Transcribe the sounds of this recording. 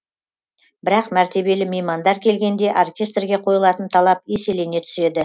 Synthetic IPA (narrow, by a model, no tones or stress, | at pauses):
bɪɾɑqmæɾt̪e̞be̞lɪmejmɑnd̪ɑɾkʲʰe̞lɡʲe̞nd̪e̞ʔorkʲe̞st̪rɡʲe̞qʰo̞jəlˠɑt̪ənt̪ʰɑlˠɑp̚je̞se̞lene̞t̪ʰʏ̥se̞d̪ɪ